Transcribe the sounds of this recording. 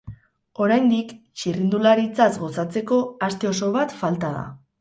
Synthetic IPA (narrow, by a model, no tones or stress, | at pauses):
o̞ɾajnd̪ik | t͡ʃirind̪ulaɾit͡sazɣo̞sat͡se̞ko̞ast̪e̞o̞so̞β̞at̪falt̪að̞a̰